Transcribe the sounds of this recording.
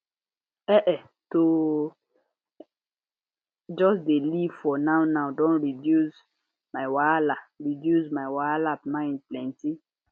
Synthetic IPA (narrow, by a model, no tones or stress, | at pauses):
ɛʔɛ | to | d͡ʒɔsdelivfɔnawnawdɔ̃nɹidjus | maɪwalaɹidjusmawalapmãɪ̃nplɛ̃nti